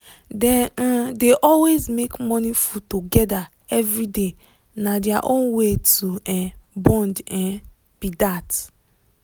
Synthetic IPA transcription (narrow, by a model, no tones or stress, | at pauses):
dɛ̃deʔɔlwezmekmɔnifutoɡɛda | ɛvɹide | nadiaʔõnwetuɛ̃bɔ̃ndɛ̃n | b̥idat